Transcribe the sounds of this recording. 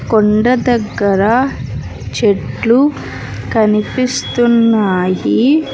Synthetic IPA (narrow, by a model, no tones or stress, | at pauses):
koɳɖɐd̪ɐɡːɐɾɐ | t͡ʃeʈlu | kɐnipist̪unːaːji